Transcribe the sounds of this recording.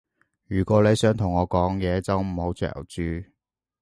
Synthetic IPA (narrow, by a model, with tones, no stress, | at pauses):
jyː˨˩kʷɔː˨˧˥le˨˧jsœː˨˥ŋt̪ʰʊ˨˩ŋɔː˨˧kɔː˨˥ŋjɛː˨˧t͡sɐ˨˥wm̩˨˩ho˨˧wt͡ʃœ̰ː˨˩wt͡ʃyː˧